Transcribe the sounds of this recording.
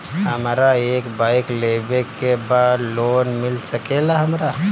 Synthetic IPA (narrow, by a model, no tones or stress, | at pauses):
ɦəmɾaeːkbaɪklebekebad̪lonmilsəkelaɦəmɾa